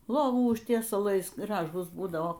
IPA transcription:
ˈlˠoːʋuː ʊʃʲtʲiɛsɐˈlˠɐɪs ˈɡrɑːʒuːs ˈbuːdɐʋoː

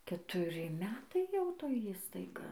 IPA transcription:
kʲɛtʊˈrʲɪ ˈmʲæːtɐɪ jɛʊ ˈtoːj ˈiːstɐɪɡɐ

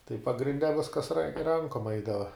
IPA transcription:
tɐɪ pɐɡrʲɪnʲˈdʲɛ ˈʋʲɪskɐs rɐnʲ ˈrɐŋkoːm ˈɐɪdɐʋɐ

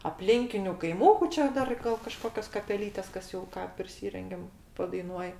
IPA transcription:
ɐpʲˈlʲɪŋʲkʲɪnʲʊ kɐɪˈmuːkʊ ˈt͡ʃʲɛ ˈdɐr ɡɐlˠ kɐˈʃkoːkʲoːs kɐpʲɛˈlʲiːtʲeːs ˈkɐs jɛʊ ˈkɑː pʲrʲɪˈsʲiːrʲɛŋʲɡʲɛm pɐdɐɪˈnuɔj

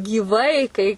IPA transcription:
ɡʲiːˈʋɐɪ kɐɪ

